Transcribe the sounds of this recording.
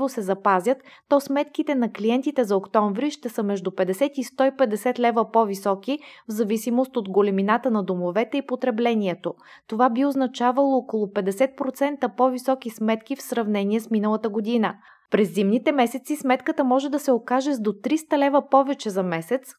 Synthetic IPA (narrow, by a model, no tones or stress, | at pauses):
vosɛzɐpazʲjət̪ːɔsmɛt̪kit̪ɛnɐkliɛnt̪it̪ɛzɐokt̪ɔɱvɾiʃt̪ɛsəmɛʒd̪upɛd̪ɛsɛt̪ist̪ɔipɛd̪ɛsɛt̪lɛvəpɔvisɔkivzɐvisimost̪od̪ɡolɛminat̪ənɐd̪omovɛt̪ɛipot̪ɾɛblɛnʲiɛt̪o | t̪ovabioznɐt͡ʃavɐlˠoːkolˠopɛd̪ɛsɛt̪̚pɾot̪sɛnt̪əpɔvisɔkismɛt̪kifsɾɐvnɛniɛsminəlˠət̪əɡod̪inə | pɾɛzːimnit̪ɛmɛsɛt̪sismɛt̪kət̪əmɔʒɛd̪ɐsɛokaʒɛd̪ot̪ɾist̪əlɛvəpɔvɛt͡ʃɛzɐmɛsɛt̪s